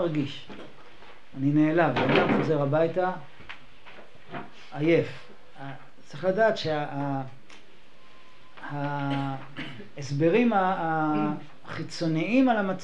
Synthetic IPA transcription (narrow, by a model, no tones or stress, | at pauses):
ʁɡiʃ | anine̞ːlavadamχo̞ze̞ʁabajta | je̞f | t͡siχladaːt̪ʃeaa | ha | esbe̞ʁima | χit͡so̞niimalamat͡s